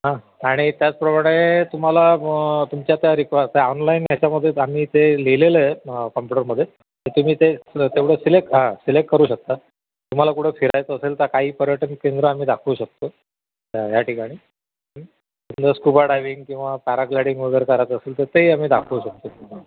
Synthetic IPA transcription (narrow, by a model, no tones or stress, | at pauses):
ɦã | aɽ̃it̪jat͡spɾəmaɽ̃et̪um̤alat̪umt͡ɕjat̪jaɾikʋat̪eɔnlainjat͡ɕaməd̪ʱːjeamiːt̪eleleləkəmpuʈəɾməd̪ʱːje | t̪əɾt̪um̤iːt̪et̪eʋɽ̤esilekɦãsilekʈkəɾuːɕək̚t̪a | t̪um̤alakuʈʰefʰiɾajt͡səselt̪əɾkaɦiːpəɾjəʈənkend̪ɾəam̤iːd̪akʰuːɕək̚t̪o | aɦjaʈʰikaɽ̃ĩː | i | nd̪əskupaɾɖajʋiŋɡkĩw̃ʋapɛɾaklaɽiŋɡʋəɡʱəɾkəɾajt̪əselt̪əɾt̪eiːam̤iːd̪akʰuːɕək̚t̪ot̪